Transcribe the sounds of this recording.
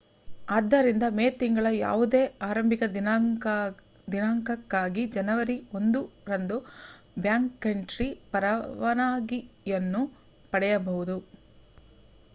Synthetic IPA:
aːd̪ːɐɾind̪ɐmeːt̪iŋɡɐɭɐja̰ːʋud̪e̞ːaːɾɐmbʱikɐd̪ | d̪inaːŋkɐkːaːɡid͡ʒɐnɐʋɐɾio̞nd̪uɾɐnd̪u | bjaːŋkːeɳʈɾipɐɾɐʋɐnaːɡijɐnːu | pɐɽɛjɐbɐɦud̪u

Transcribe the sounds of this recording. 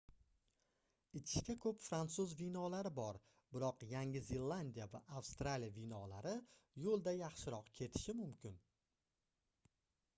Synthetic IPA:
ɪt͡ʃʰɪ̥ʃkʲakʰɵpfɾant̪sʊzvinɒlaɾɪbɒɾ | bɪɾɒqjaŋʲɪzilˠːand̪ijava̰ʔafst̪ɾalijavinɒlaɾɪjolˠd̪ajɑχʃɪɾɒqkʲʰe̞t̪ʰɪ̥ʃɪmʊmkʲʰɪn

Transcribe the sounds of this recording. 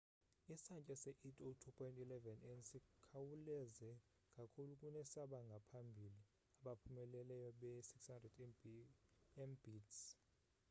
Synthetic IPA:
isant͡ʃʼɛsɛʔetʼotʰupʰɔjntʼilɛvɛnɛnsikʰawulɛzɛ | kʼakʰulukʼunɛsaɓaŋɡʱapʰambʱili | aɓapʰumɛlɛlɛjɔɓɛsikshandrɛd | ɛmbits

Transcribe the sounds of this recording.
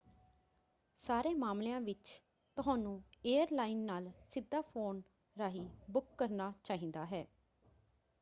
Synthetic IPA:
saːɾeːmaːmlejãːʋɪt͡ʃ | t̪ʊɦãːnũːeːəɾlaːiːnːaːlsɪd̪ːaːpʰoːn | ɾaːɦiːbʊkːəɾnaːt͡ʃaːɦĩːnd̪aːɦɛː

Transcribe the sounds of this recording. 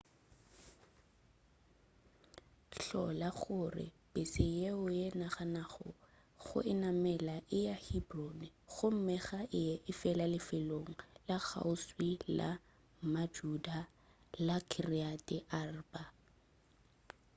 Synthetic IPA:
ɬɔ̰laχʊrɪ̰pʼɪsɪjeʊjenaχanaχɔ̰ | χʊ̰ʔɪnamɛlaʔɪjahibronɪɣʊm̩mɛɣaʔɪɛʔɪfɛlalɪfɪloŋ̩laɣa̰ʊswila̰ | mad͡ʒuda | lakʰiriatʼɪʔarba

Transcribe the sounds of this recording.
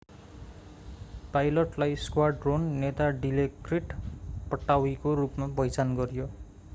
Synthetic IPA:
pajloʈlajskwarɖronːet̪aɖilekriʈpʌʈːawikorupmabʌjt͡sanɡʌɾjo

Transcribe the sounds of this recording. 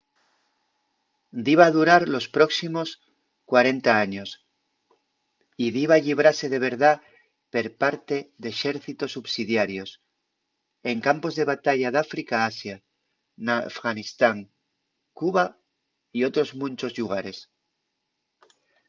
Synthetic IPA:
d̪iβaðuɾaɾlo̞spɾo̞ksimo̞s | kwaɾe̞nt̪aaɲo̞s | iðiβaʎiβ̞ɾase̞ðe̞β̞e̞ɾða | pe̞ɾpaɾt̪e̞ðeʃe̞ɾθit̪o̞sːuβsiðjaɾjo̞s | e̞ŋkampo̞zðe̞βat̪aʝaðafɾikaasja | nafɣanist̪aŋ | kuβa | io̞t̪ɾo̞zmũnt͡ʃo̞zʎuɣ̞aɾe̞s

